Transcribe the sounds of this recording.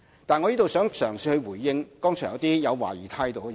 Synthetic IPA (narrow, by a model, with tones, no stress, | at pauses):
t̪aː˨nŋɔː˨˧jiː˥t̪o˨wsœː˨˥ŋsœː˨˩ŋsiː˧hɵ˧ɥwuː˨˩jːɪ˧ŋkɔː˥ŋt͡ʃʰːjɐ˨˧wt̪iː˥jɐ˨˧wwa̰ː˨˩jiː˨˩t̪ʰaː˧jt̪o˨˧w